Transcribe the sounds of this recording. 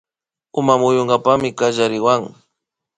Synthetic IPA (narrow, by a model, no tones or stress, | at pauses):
ʊmamʊjoɴɢapamɪkaʒaɾɪwaŋ